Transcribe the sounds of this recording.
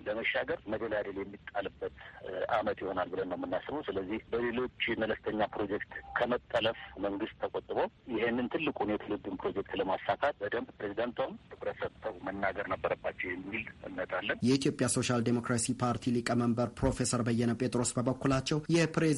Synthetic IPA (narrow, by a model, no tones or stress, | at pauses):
ləməʃːaɡəɾməd̪əljad̪əljɛmːit̪ʼːalɨbːət̪ʔamət̪jho̞nalbɨlənːəwmːɨnːasɨβəwsɨləzːihbəle̞lo̞t͡ʃːmələst̪ʰəɲːapɾo̞d͡ʒɛkt̪kʰəmət̪ʼːələfməŋɡɨst̪ʰːəkʼot̪ʼːɨβojɪɦenːɨnt̪ʰɨlːɨkʼunjɛt̪ʰəlɨd̪ːɨmpʰɾo̞d͡ʒɛk̚t̪ləmasːak̪ʰat̪̚bəd̪əmbpɾezid̪ant̪ʰamt̪ʰɨkʼɾət̪sət̪ʰːəwmənːaɡəɾnəbːəɾəbːat͡ʃːɛwjɛmːiɨlɨ̰nːət̪ʼalːənjɛit̪ʰijo̞pʼjaso̞ʃald̪emo̞kɾasipʰaɾt̪ʰilɨkʼəməmbəɾpʰɾo̞fe̞səɾbəjːɛnəpʼe̞t̪ʼɾo̞sbəbəkːulat͡ʃːɛwjɛpɾe